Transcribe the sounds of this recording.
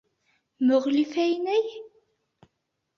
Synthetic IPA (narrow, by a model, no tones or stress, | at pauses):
məʁlifæjnæj